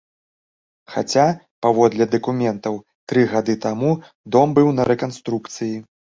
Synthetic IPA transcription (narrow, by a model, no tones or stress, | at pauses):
xa̰t͡sʲa | pavɔd̪lʲɐd̪ɐkumʲɛnt̪ɐw | t̪ɾɨɣad̪ɨt̪amu | d̪ɔmbɨwnɐɾɛkanst̪ɾukt̪sɨji